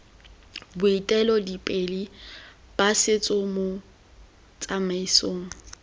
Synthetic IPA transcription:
bʊitʼɛlɔdipʼelib̥asɪt͡sʼʊmo | t͡sʼamaisoːŋ̩

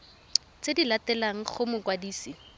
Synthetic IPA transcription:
t͡sedilatɛlaŋ̩χʊmʊkwadiːsi

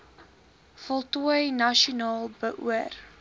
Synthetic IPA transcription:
fɔlˠtuəjnɐʃiunɑːlˠbəʔṵər

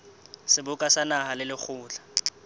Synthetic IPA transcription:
sɪbʊkʼasanahalɪlɪk͡xʰʊːt͡ɬḁ

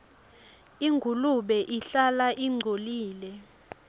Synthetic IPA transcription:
iŋɡʱuluɓɛʔiɬalaʔiŋ͡ǀʱoliːlɛ

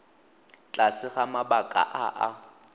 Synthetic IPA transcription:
t͡ɬʼasɪɣamabakʼa̰ʔaʔa

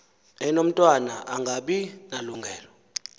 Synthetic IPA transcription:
ɛnom̩tʼwanaʔaŋɡʱaɓinaluŋɡʱɛːlɔ

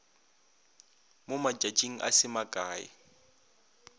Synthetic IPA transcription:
mʊmat͡ʃʼat͡ʃʼiŋ̩ʔa̰sɪmakʼaːɪ̰

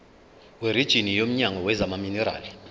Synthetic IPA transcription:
weɾid̥ʒ̥ʱinijom̩ɲaŋʱɔwɛzamaminɛɾa̰ːli

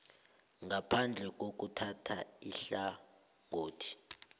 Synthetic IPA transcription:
ŋɡapʰand͡ɮʱɛk̬ok̬utʰatʰaiɬa | ŋoːtʰi̥

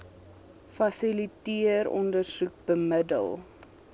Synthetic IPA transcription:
fɐsilitiəɾɔ̰ndərsuk̚b̥əmədə̰lˠ

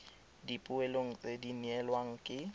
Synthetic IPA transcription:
dipʼʊɛloŋ̩t͡sʼediniɛlwaŋ̩kʼɪ

